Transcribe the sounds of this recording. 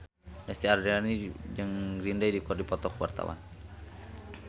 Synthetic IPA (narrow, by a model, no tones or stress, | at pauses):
ɛst̪iardɛanid͡ʒəŋrindajdikɔrdipɔt̪ɔkwa̰rt̪a̰wa̰n